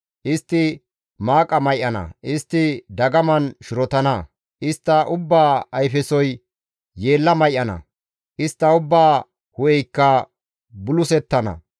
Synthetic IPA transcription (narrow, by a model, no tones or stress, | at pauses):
ʔɪst̪ːɪ | maːkʼɐmɐjʔːɐnɐ̰ʔɪst̪ːɪd̪ɐɡɐmɐnʃʊɾɔt̪ɐnɐ | ʔɪst̪ːɐʔʊbːaːɐjfɛsɔj | je̞ːlːɐmɐjʔːɐnɐ̰ | ʔɪst̪ːɐʊbːaː | hʊjɛjkːɐ | bʊlʊsɛt̪ːɐnɐ̰